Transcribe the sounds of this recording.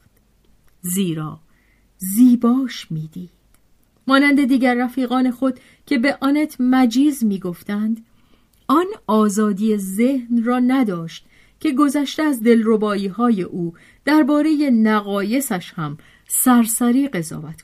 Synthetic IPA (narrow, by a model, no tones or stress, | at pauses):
ziːɾɒː | ziːbɒːʃmiːd̪iːd̪̥ | mɒːnænd̪e̞d̪iːɟæɾːæfiːɣɒːne̞xo̞d̪̥ | cʲʰe̞be̞ʔɒːnet̪ʰmæd͡ʒiːzmiːɡo̞ft̪ænd̪ | ɒnɒːzɒːd̪iːeze̞hnrɒːnæd̪ɒːʃt̪ | cʰe̞ɡo̞zæʃt̪eæzd̪e̞lro̞bɒːiːɦɒːje̞ʔuː | d̪̥æɾbɒːɾe̞je̞næɣɒːje̞sæʃhæm | sæɾsæɾiːɢe̞zɒ̰ːvæt̪